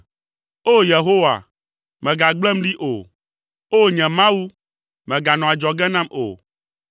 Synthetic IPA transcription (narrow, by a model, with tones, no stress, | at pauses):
o˦je˨ɦo˦wa̰˨ | mɛ̃˨ɡa˨ɡ͡blɛ˦m̩˦ɖi˦ʔo˨ | o˦˨ɲɛ̃˨mã˦wu˦ | mɛ̃˨ɡa˨nɔ̃˨a˨d͡ʒɔ˨ɡɛ˦nã˦mo̰˨